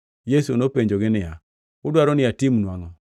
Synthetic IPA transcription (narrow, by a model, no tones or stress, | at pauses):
jesunopeɲd͡ʒoɡɪnɪja | ʊdwaɾɔnɪatimnwaŋɔ